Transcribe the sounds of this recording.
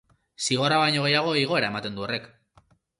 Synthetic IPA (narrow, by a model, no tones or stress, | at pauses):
siɣ̞o̞ɾaβajɲo̞ɣ̞e̞jaɣ̞o̞iɣ̞o̞e̞ɾae̞mat̪e̞nd̪uo̞re̞k